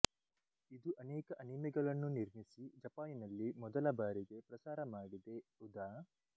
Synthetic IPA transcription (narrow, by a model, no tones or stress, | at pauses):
id̪uʔɐnɛːkɐʔɐnimɛɡɐɭɐnːuniɾmisid͡ʒɐpaːjinɐlːimɔd̪ɐlɐbaːɾiɡe̞pɾɐsaːɾɐmaːɽid̪e̞ud̪a